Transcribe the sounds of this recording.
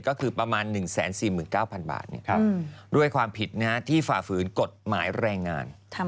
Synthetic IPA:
kɔː˥˩kʰɯː˧pɾa˧maː˧nːɯ˨˩ŋsɛ̰ː˩˦nsiː˨˩mɯː˨˩nkaː˥˩wpʰa˧nba̰ː˨˩t̪̚ni˥˩ɐ˧du˥˩əjkʰwaː˧mpʰi˨˩t̪̚na˦˥t̪ʰiː˥˩faː˨˩fɯː˩˦nko˨˩t̪̚ma̰ː˩˦jɾɛː˧ŋːa̰ː˧nt̪ʰ

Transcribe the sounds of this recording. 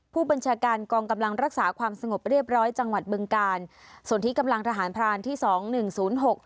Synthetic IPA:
pʰuː˥˩ba˧nt͡ɕʰaː˧kaː˧nkɔː˧ŋka˧mla˧ŋɾa˦˥k̚saː˩˦kʰwaː˧msa˧ŋo˨˩p̚ɾi˥˩əp̚ɾɔː˦˥jt͡ɕa˧ŋwa˨˩t̪̚bɯ˧ŋkaː˧nsu˨˩nt̪i˦˥ka˧mla˧ŋt̪ʰa˧ɦaː˩˦npʰɾaː˧nt̪ʰiː˥˩sɔː˩˦ŋnɯ˨˩ŋsuː˩˦nɦo˨˩k̚

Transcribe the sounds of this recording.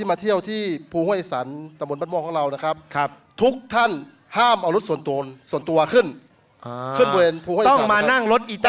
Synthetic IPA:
iː˧˩˨maː˧t̪ʰi˧˥˩əwt̪ʰiː˧˥˩pʰuː˧hu˧˥˩sa˩˦nt̪a˧˦bba˧˥˩mɔː˧˩kɔː˨˦˧ɾa˧wna˧˩kʰa˦˥p̚ʰ | t̪ʰu˦˥k̚t̪ʰa˥˩˨n | haː˥˩mʔa˧˩wlo˦˥t̪̚su˨˩˦nt̪o˧nsu˨˩˦ənt̪u˧ɐkʰɯ˧˥˩nː˧ | kʰɯ˧˥˩nbɔ˧e˧npʰu˧hu˥˩˨ɔ˥˩˨ŋ˨maː˧na˥˩ŋlo˦˥t̪̚ʔi˧t̪

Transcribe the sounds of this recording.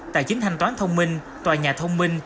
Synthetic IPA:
t̪a̰ː˧˨jt͡ɕi˨˦ŋ̟t̪ʰa˧jŋ̟t̪waː˨˦nt̪ʰə˧wŋ͡mmï˧ŋ | t̪waː˨˩ɲaː˨˩t̪ʰə˧wŋ͡mmi˧ŋ

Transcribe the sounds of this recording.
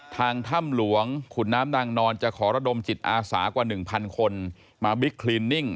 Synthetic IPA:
t̪ʰaː˧ŋt̪ʰa˥˩mlu˩˦əŋkʰu˨˩nːaː˦˥mnaː˧ŋnɔː˧nt͡ɕa˨˩kʰɔː˩˦ɾa˧do˧mt͡ɕi˨˩t̪̚ʔaː˧sa̰ː˩˦kwaː˨˩nɯ˨˩ŋpʰa˧nkʰo˧n | maː˧bi˦˥kʰliː˧nːi˥˩ŋ

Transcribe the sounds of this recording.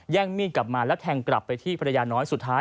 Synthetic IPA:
jɛː˥˩ŋmiː˥˩kla˨˩p̚maː˧lɛ˦˥wt̪ʰɛː˧ŋkla˨˩pːa˧jt̪ʰiː˥˩pʰa˧ɾa˧jaː˧nɔː˦˥jsu˨˩t̪ʰːaː˦˥

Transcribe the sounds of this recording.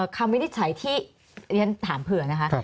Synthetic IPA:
əː˨˩kʰa˧mwi˦˥ni˥t̪̚t͡ɕʰa˩˦jt̪ʰiː˥˩ | ɾi˧nt̪ʰaː˩˦mpʰɯ˨˩ɐna˦˥kʰa˦˥ʔ

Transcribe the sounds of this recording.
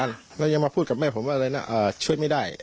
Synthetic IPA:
a˧˩n | lɛː˧˩ja˧ŋma˧pʰuː˥˩ka˨˩p̚mɛː˥˩pʰo˩˦maː˧ɤː˧jna˧˥˩ʔɤː˨˩t͡ɕʰu˥˩əjma˥˩jdaː˥˩j

